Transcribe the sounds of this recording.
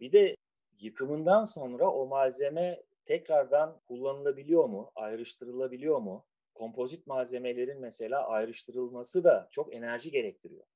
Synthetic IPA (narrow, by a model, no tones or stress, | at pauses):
bid̪ɛ | jɯkʰɯmɯnd̪anso̞nɾaʔo̞maze̞mɛt̪ʰɛcɾaɾd̪ankʰulˠːanɯlˠabilʲijo̞muajɾɯʃt̪ʰɯɾɯlˠabilʲijo̞ɾmu | kʰo̞mpʰo̞zit̪̚maze̞me̞lʲe̞ɾinmɛse̞lʲaːʔajɾɯʃt̪ʰɯɾɯlˠmasɯd̪at͡ʃʰo̞ke̞næɾʒiɟe̞ɾɛc̚t̪ʰiɾijo̞̰